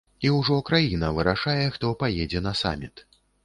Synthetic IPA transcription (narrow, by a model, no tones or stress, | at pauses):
iwʐɔkɾajinɐvɨɾaʂajɛxt̪ɔpajɛd͡zʲɛnɐsa̰mʲit̪